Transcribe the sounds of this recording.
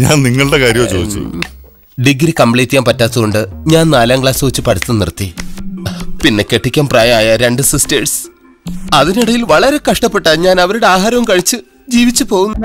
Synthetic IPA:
ɲa̰ːnniŋːɐɭɨɽe̞kaːɾjɐmt͡ɕo̰ːit͡ɕːṵ | ɖiɡɾikɐmbɭeːt̪ːijaːmpɐtːaːt̪ːuɣoɳɖɨɲaːnnaːlaːŋɡɭaːsoːt͡ɕːɨpɐɽʰɐt̪ːɨnḭrt̪ːi | pinːe̞ke̞ʈːikʲːaːmpraːjɐaːjɐɾe̞ɳɖɨsɨsteːʈs | ɐðiniɽɐjilʋɐɭɐɾe̞kɐʂʈɐpːe̞ʈːaːlɲaːnɐʋɐɾuɽe̞aːɦaːɾɐʋumkɐɻit͡ɕːɨ | d͡ʑiːʋit͡ɕːɨpo̞ːɣunːɐ

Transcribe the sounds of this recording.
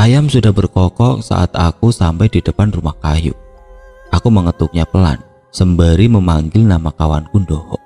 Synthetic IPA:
ʔajamsudahbərkɔkɔʔsa̰ʔa̰t̪̚a̰kusampajd̥idəpanrumahkajṵ | ʔakuməŋət̪uk̚ɲapəla̰n | səmbəɾiməmaŋɡɪlnamakawankundɔhɔ̰ʔ

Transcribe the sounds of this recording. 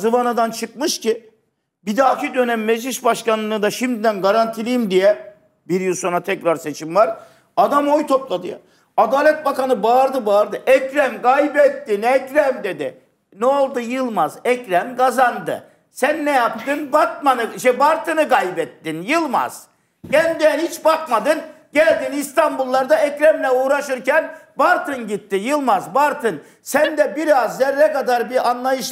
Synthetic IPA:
zɯvanad̪ant͡ʃʰɯk̚mɯʃci | bid̪aːcʰid̪ø̞nɛmːed͡ʒlʲiʃbaʃkanlˠɯd̪aʃimd̪id̪ænɡaɾant̪ʰilʲijimd̪ijɛ | biɾjɯlˠso̞nɾat̪ʰɛcɾaɾse̞t͡ʃʰimvaɾ | ad̪amojt̪ʰo̞plˠad̪ɯ̰ja̰ | ad̪aːlʲɛt̪̚bakanɯbaːɾd̪ɯbaːɾd̪ɯʔɛcɾænɡajbɛt̪ːinɛcɾæmd̪ed̪ɪ | nɛolˠd̪ujɯlˠmazɛcɾæmkazand̪ɯ̰ | sænːɛjap̚t̪ɯnbat̪̚manɯʃɛbaɾt̪ʰɯnɯkajbɛt̪ːinjɯlˠma̰z̥ | ɟænd̪iɛnhit͡ʃbakmad̪ɯn | ɟælʲd̪inist̪ʰambulˠːaɾd̪aɛcɾɛmlʲɛuːɾaʃɯɾcænbaɾt̪ʰɯnɟit̪ːijɯlˠmazbaɾt̪ʰɯn | sænd̪ɛbiɾazːɛɾːɛkad̪aɾbiɾanlˠajɯʃ

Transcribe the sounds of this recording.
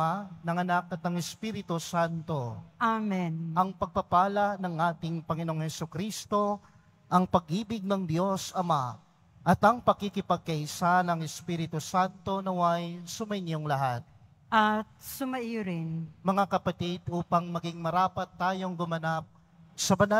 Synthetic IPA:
anɐŋɐnakɐt̪̚nɐŋɛspiɾɪt̪osant̪o̞ʔamɛnʔɐŋpɐɡ̚pɐpaːlɐnɐŋʔaːt̪ɪŋpɐŋɪno̞ŋhɛsʊkɾist̪o̞ | ʔɐŋpɐɡʔiːbɪɡ̚nɐŋd̪jo̞sɐma | ʔɐt̪ɐŋpɐkɪkɪpɐɡ̚kɐʔɪsanɐŋɛspiːɾɪt̪ʊsant̪o̞nɐwajsʊmɐjnjoŋlɐɦat̪̚ | ʔɐt̪̚sʊmɐʔijoɾɪnmɐŋakɐpɐt̪id̪ʔuːpɐŋmɐɡiŋmɐɾaːpɐt̪ːaːjo̞ŋɡʊmɐnap̚ | sɐbɐna

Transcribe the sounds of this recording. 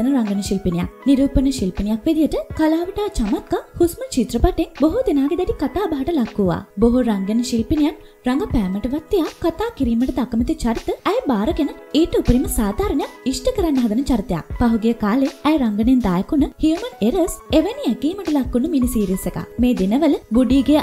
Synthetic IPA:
ənəɾaŋɡənəʃilpinija̰kniɾuːpənəʃilpinijakʋed̪ijəʈəkalaːʋiʈaːt͡ʃamat̪̚kahusmənt͡ʃit̪ɾəpaʈenboɦud̪enaːɡed̪ɛʈikat̪aːbaɦaʈəlakːuʋa̰ːboɦuɾaŋɡenəʃilpinijan | raŋɡəpæːməʈəʋat̪ːijakat̪aːkiɾiːməʈət̪akəmət̪it͡ʃaɾit̪əæjbaːɾəkenəeːʈəupəɾiməsaːd̪ʱaːɾənəjak̚isʈəkəɾɛnːəɦad̪ənət͡ʃaɾit̪eja̰kpaɦuɡejəkaːleæjɾaŋɡənend̪aːjəkunəhijuməneɾəseʋəniɛɡiːməʈəlakːunəminisiːɾiseka̰meːd̪enəʋələbuɖiːɡe

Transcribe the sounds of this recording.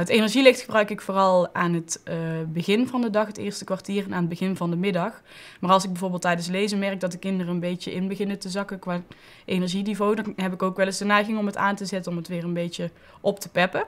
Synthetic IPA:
ətejnɛɹʒilɪxtxəbrœɥkɪkfoːrɑlˠaːnɦətbəɣɪnvɑndədɑxɦətɪ̰ːɹstəkʋaɹtiːrɛnaːnəd̚bəɣɪnvɑndəmɪdɑx | maːɹɑlˠsɪɡ̚bɛjvoːɹbɪːlˠtːɛjdəns̬lejzəmɛɹɡ̚dɑt̚dəkɪndərəənbejtəʔɪnbəɣɪnətəzɑkəkʋaː | ʔejnɛɹʒinivowdɑnɦɛpɪkowkʋɛlɪsdənɛjɣɪŋɔməta̰ːntəzɛtənɔmətʋɪːrənbejtə | ʔɔptəpɛpə

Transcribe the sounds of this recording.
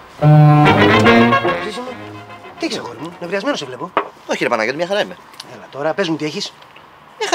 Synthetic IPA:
sisemut̪ieçisɐɣoɾimuinevɾiɐzme̞nosevle̞pooçiɾepɐnɐɣet̪mɲɐxɐɾɐime | elɐt̪o̞ɾɐpe̞zmut̪ieçis | mɲɐ

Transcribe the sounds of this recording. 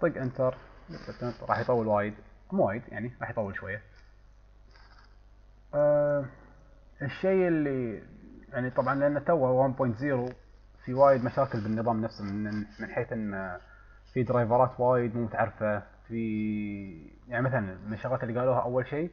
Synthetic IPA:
t̪ˤiɡʔɪnt̪ɑɾˤmɪat̪ɪnt̪ɾˤɑ̰ːħjt̪ˤɑwːəlwaːjɪd̪mwaːjɪd̪ja̰ʕniɾˤɑːħjt̪ˤɑwːəlʃwajːa | ʔ | ʔəʃːeːɪlːijaʕnit̪ˤɑbʕɑnlʔanːat̪awːawambojnt̪ziːɾu | fiwaːjɪd̪maʃaːkɪlbɪnːɨðˤɑːmnafsammɪnħeːθʔɪnːa | fid̪ɾɑjvɑɾˤɑːt̪waːjɪd̪muːmʊt̪aʕɑɾfa | fi | jaʕnimaθalanmaʃɑɣɑːt̪lːiɡaːluːhaʔawːalʃeː

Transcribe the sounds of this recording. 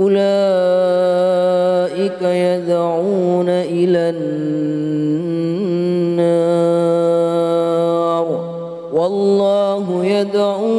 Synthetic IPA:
ʔʊlaː | ʔɪkajad̪ʕuːnaʔɪlan | a | ɾˤ | wɑlːɑːɦʊjad̪ʕuː

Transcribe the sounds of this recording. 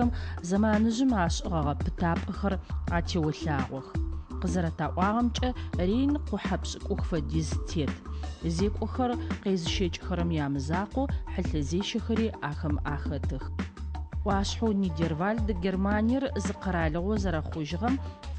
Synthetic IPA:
ɐmzɐmaːnɨʑɪmaːɕʼɪʁɐʁɐpʰɨ̥tʰaːpʼɐxɐraːtʰeːwɐɬaːʁʷɔxqəzɐɾɐtʰaːʔʷʼɑːʁɐmt͡ʃʼɐreːjnqʷʊħapɕʼɪkʷʼʊxfɐdiztʰeːtʰzeːkʷʼɔxɐrqeːzɨʃet͡ʃʼxɐɾɐmjaːmɨzaːqʷɔħəɬɐzeːʃɐxɐɾiːaːxɐmaːxɐtʰɨx | ʔʷɑːɕħowniːdervaːɮdɨɡʲermaːnijɛrzɨqɐɾaːɮɨʁʷɔzɐɾɐχʷʊʒɪʁɐm

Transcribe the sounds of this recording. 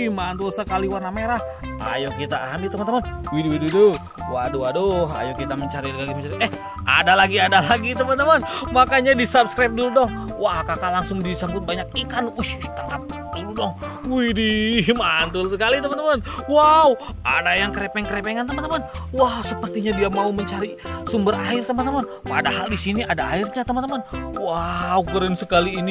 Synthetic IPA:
mant̪ulsəkaliwarnameɾah | a̰jɔkit̪aamit̪əmənt̪əman | widiwididu | waduadoɦa̰jokit̪aməɲt͡ʃaɾiləɡaɡimət͡ʃaɾiɛh | ʔa̰dalaɡiadalaɡit̪əmənt̪əmanmakaɲadisabskɾap̚duludɔh | wakakanlaŋsʊŋdisambʊt̪̚baɲak̚ikanlʔuʃt̪əŋap̚ | duludɔh | idimant̪ʊlsəkalit̪əmant̪əmanwau | ʔa̰dajaŋkəɾepɛŋkəɾepɛŋant̪əmənəmanwausəpərt̪iɲadiamauməɲt͡ʃaɾi | sumbəraɪrt̪əmant̪əman | padaɦaldisiniadaairɲat̪əmant̪əmanwaukəɾɪnsəkaliːni

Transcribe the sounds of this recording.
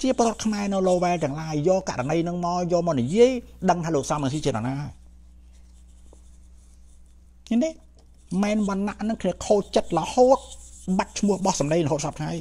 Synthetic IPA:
ət͡ɕiəpoːɾŏət̪̚kʰmaɛnɨwloːʋɛɛlt̪ɛ̆əŋlaəjːoːka̰ʔɾanəjnɨŋmaɔjɔːlmaːnijiəjɗəŋt̪ʰaːloːk̚sɑmrɛəŋs̬iːt͡ɕiəna̰naːɦaj | ɲint̪eː | mɛːnɓɑnːaʔnɨŋkʰniəkʰoːt͡ɕət̪̚ləhoːt̪̚ɓat̪̚t͡ɕʰmʊ̆əhɓɑhsɑmɗeːŋləɦoːt̪sɑp̚kʰŋaj

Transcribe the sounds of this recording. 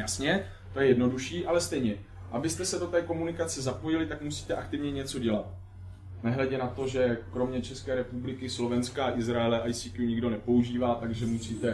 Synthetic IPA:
jasɲɛ | t̪o̞jɛjɛdno̞duʃiːʔalɛst̪ɛjɲɛ | ʔabɪst̪ɛsɛdo̞t̪ɛːko̞munɪkat͡sɛzapo̞jɪlɪt̪akmusiːt̪ɛʔakt̪ɪvɲɛɲɛt͡so̞ɟɛlat̪̚ | nɛɦlɛɟɛnat̪o̞ʒɛkɾo̞mɲɛt͡ʃɛskɛːɾɛpublɪkɪslo̞vɛnskaʔɪzɾaɛlɛʔajsiːkjuɲɪɡdo̞nɛpo̞uʒiːvaːt̪aɡʒɛmusiːt̪ɛ

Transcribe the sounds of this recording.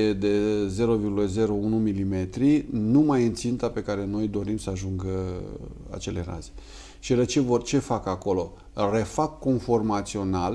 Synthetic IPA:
ed̪e̞ze̞ɾo̞virɡuləze̞ɾo̞unumilime̞t̪ɾinumajɨnt̪sint̪ape̞kaɾe̞no̞jd̪o̞ɾimsəaʒuŋɡə | a̰t͡ʃe̞le̞ɾa̰ze̥ | ʃilet͡ʃe̞vort͡ʃe̞fakako̞lo̞ | re̞fakːo̞nfo̞rmat̪sio̞nal

